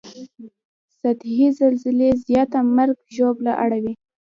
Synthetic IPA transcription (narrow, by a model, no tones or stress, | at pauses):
sat̪hizalzɪlezjɑt̪amaɾɡʒoblaʔaɽawi